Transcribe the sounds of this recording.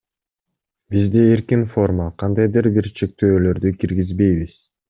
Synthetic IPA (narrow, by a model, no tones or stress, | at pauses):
bizd̪eeɾkinfo̞rmaqʰɑnd̪ɑjd̪ɯɾbiɾt͡ʃʰe̞k̚t̪øːlø̞ɾd̪ykiɾɡizbe̞jβiz̥